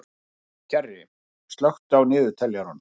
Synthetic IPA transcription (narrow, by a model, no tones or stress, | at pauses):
cʰɛrɪ | st̪lœxt̪awnɪːðʏt̪ʰɛljaɾɔn